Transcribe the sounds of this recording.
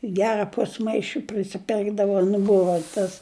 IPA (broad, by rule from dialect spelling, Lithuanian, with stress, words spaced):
ˈɡʲæːrɐ ˈpʊsmɐɪʃʲɪ pʲrʲɪsʲɪˈpʲɪrɡdɐʋɐ nʊ ˈbʊʋɐ tɐs